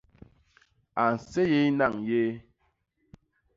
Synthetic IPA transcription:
a˨n̩˨se˦je˦i˦na˦˨ŋje˦

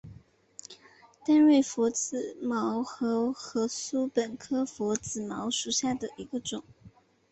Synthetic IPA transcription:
t̪a˥˧nwe˥˩ɪfɔ˧˥t͡sɹ̩˨˩mɑ˧˥ʊxɤ˧˥xɤ˧˥su˥pə˨˩nkʰɤ˥fɔ˧˥t͡sɹ̩˨˩mɑ˧˥ʊʂu˨˩ɕja˥˩d̪ə˩ʔi˧˥ɡə˧ʈ͡ʂʊ˨˩˦ŋ

